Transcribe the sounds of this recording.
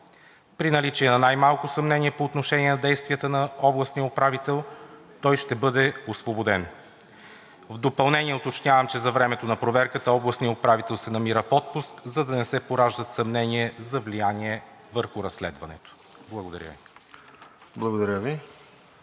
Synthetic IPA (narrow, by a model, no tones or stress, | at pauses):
pɾinɐlit͡ʃiɛnɐnajmalˠkʊsɐmnɛniɛpoːt̪noʃɛniɛnɐd̪ɛjst̪vijət̪ənɐɔblˠɐsnijəʊpɾavit̪ɛlˠ | t̪ɔjʃt̪ɛbɤd̪ɛosvobod̪ɛn | vd̪opɐlˠnɛniɛʊt̪ot͡ʃnʲavəmt͡ʃɛzɐvɾɛmɛt̪onɐpɾovɛɾkət̪əɔblˠɐsnijəʊpɾavit̪ɛlˠsɛnɐmiɾəfɔt̪̚pʊskzɐd̪ɐnɛsɛpoɾaʒd̪ət̪sɐmnɛniɛzɐvlijanʲiɛvəɾxʊɾɐsːlɛ̰d̪vɐnɛ̰t̪o̥ | blˠɐɡod̪ɐɾjə̰vi | blˠɐɡod̪ɐɾʲəvi